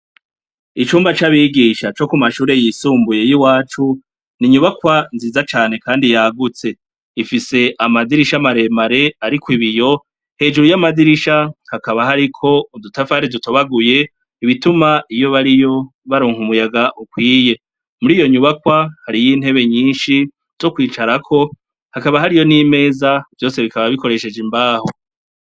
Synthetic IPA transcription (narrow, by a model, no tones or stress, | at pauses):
it͡ʃuːmbat͡ʃaβiɡiʃat͡ʃo̞kumaʃuːɾe̞jisuːmbuje̞jiwaːt͡ʃu | niɲuβakwanziːzat͡ʃaːne̞kaːndijaɡut͡se̞ | ifise̞ʔamadiɾiʃamaɾe̞maɾe̞aɾikwiβijo̞ | he̞ːd͡ʒuɾujamadiɾiʃahakaβaɦaɾikʰo̞udutafaaɾiduto̞βaɡuje̞ | iβitumaijo̞βaɾijo̞ | βaɾoːŋhumujaɡaʔukwiːje̞ | muɾijo̞ɲuβakwahaɾijiːn̥he̞βe̞ɲiːnʃi | z̥o̞kwiːt͡ʃaɾakʰo̞ | hakaβaɦaɾijo̞nime̞ːzav̥jo̞ːse̞βikaβaβiko̞ɾe̞ʃe̞d͡ʒimbaːho